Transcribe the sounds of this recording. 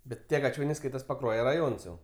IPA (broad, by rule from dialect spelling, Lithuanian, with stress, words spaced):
ˈbʲɛt tʲiɛ ɡɐˈt͡ʃʲoːnʲɛɪ ˈskɐɪtɐs pɐˈkruɔjɛ rɐˈjoːns jɛʊ